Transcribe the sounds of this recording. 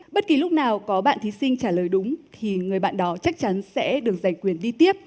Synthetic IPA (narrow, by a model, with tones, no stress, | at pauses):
ɓə˦˥t̚ki˨˩lʊ˦˥k͡p̚naː˨˩wkɔ˨˦ɓa̰ː˧˨nt̪ʰi˨˦sï˧ŋt͡ɕaː˧˩ləː˨˩jɗʊ˨˦ŋ͡mt̪ʰi˨˩ŋɨ˨˩əjɓa̰ː˧˨nɗɔ˨˦t͡ɕa˦˥k̚t͡ɕa˨˦nsɛ̰˧˥ɗɨ˨˩ək̚za˨˩ŋ̟kwi˧˩ənɗi˧t̪i˦˥əp̚